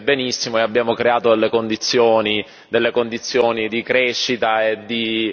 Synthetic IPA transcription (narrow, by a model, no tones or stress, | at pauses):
benisːimoeabːjaːmokɾeaːt̪od̪elːekond̪it̪sːjoːni | d̪elːekond̪it̪sːjoːnid̪ikɾɛʃːit̪aed̪ːi